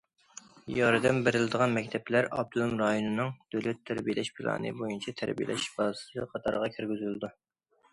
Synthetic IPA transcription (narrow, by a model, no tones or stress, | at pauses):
jɑɾd̪ɛmbeɾɪlɪd̪əʁɑnmɛk̚ʲt̪ʰɛplæɾɑb̚t̪ʰulˠumɾɑjonɨnɨŋd̪̥ølɛt̪ʰːæɾbijelʔɛʃpʰilˠɑ̰ːnɨ̰bojunt͡ʃʰɛt̪ʰæɾbḭjḛlʔɛ̰ʃbɑːzɨ̥sɨqʰɑt̪ʰɑ̰ɾʁɑkʲʰyɾɡʲyzyld̪u